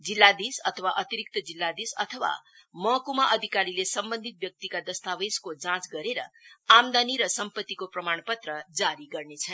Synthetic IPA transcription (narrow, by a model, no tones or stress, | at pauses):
d͡zilːad̪isʌt̪ʰʌwaʔʌt̪iɾik̚t̪ʌd͡zilːad̪isʌt̪ʰʌwa̰ | mʌɦkumaʔʌd̪ʱikaɾilesʌmbʌnd̪ʱit̪̚bjʌk̚t̪ikad̪ʌst̪aweskod͡zãt͡sɡʌɾeɾʌamd̪aniɾʌsʌmpʌt̪ːikoprʌmaɳ̃pʌt̪rʌd͡zaɾiɡʌrnet͡sʰʌ